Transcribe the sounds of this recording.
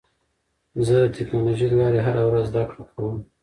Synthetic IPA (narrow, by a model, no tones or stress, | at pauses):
zəd̪ətʰeknɑloʒid̪lɑɾeɦaɾawɾazːzd̪akɽəkʰawəm